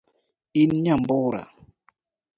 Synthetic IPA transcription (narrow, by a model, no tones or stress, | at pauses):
inɲamboɾa̰